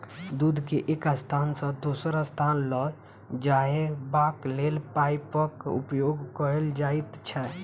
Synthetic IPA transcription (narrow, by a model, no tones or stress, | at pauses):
d̪ud̪ʱkeʔekəst̪ʰansə̃d̪osəɾəst̪ʰanlɔ | d͡ʒaɦebaklelpaipəkṵpjoɡkəɾeld͡ʒait̪t͡ʃʰɛ